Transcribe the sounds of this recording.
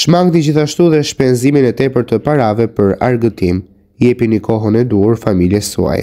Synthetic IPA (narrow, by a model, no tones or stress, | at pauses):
ʃmaŋɡt̪id͡ʑiθaʃt̪uðɛʃpɛnziminɛt̪ɛpəɾt̪əpaɾavɛpəɾa̰ɾɡət̪im | jɛpinəkɔɦənɛd̪uuɾfamiljɛsṵa̰jɛ̰